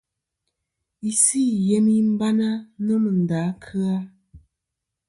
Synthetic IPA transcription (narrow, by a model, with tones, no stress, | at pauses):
i˨si˦˨je˦mi˦m̩˦ba˦na˦nə˦mə˨n˨da˨˦kʰɨ˦a˦